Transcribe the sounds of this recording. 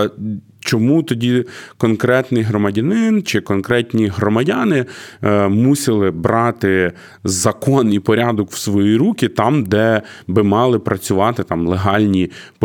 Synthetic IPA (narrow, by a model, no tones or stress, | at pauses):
t͡ʃɔmut̪ɔdʲikɔnkɾɛt̪nɪjɦɾɔmɐdʲɐnɪnt͡ʃɪkɔnkɾɛtʲnʲiɦɾɔmɐdʲɑnɪ | musʲɪlˠɪbɾɑt̪ɪ | zɐkɔnipɔɾʲɑd̪ɔkw̥sʋɔjiɾukʲit̪ɑmd̪ɛbɪmɑlˠɪpɾɐt͡sʲʊʋɑt̪ɪt̪ɑmlˠeɦɑlʲnʲip